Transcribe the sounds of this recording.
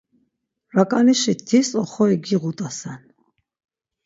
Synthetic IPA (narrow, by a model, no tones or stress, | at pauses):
ɾakʼaniʃit̪ʰːisɔχɔɛɡiʁut̪ʼasan